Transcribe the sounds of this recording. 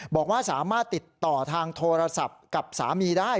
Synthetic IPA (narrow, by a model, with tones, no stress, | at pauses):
bɔː˨˩k̚waː˥˩saː˩˦maː˥˩t̪ːi˨˩t̪ːɔː˨˩t̪ʰaː˧ŋt̪ʰoː˧ɾa˧sa˨˩p̚ka˨˩p̚saː˩˦miː˧daː˥˩